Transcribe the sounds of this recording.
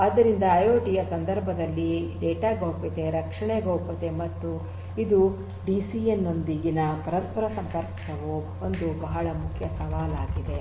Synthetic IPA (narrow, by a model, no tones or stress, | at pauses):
ɐd̪ɐɾind̪ɐːjoːʈijɐsɐnd̪ɐɾbʱɐd̪ɐlːiɖɛːʈaːɡoːpit̪e̞ɾɐkʂɐɳɛɡoːpɐt̪e̞mɐt̪ːu | id̪u | ɖisijenːo̞nd̪iɡinɐpɐɾɐspɐɾɐsɐmpɐɾkː | ɐʋu | ond̪ubɐɦɐɭɐmukʰjɐsɐʋaːlaːɡid̪e̞